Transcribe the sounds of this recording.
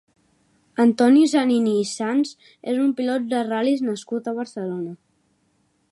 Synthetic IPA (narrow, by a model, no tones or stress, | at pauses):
ənt̪ɔnis̬aniniːsanz | ezumpilɔt̪̚d̪əraliznəskut̪əβ̞əɾsəlonə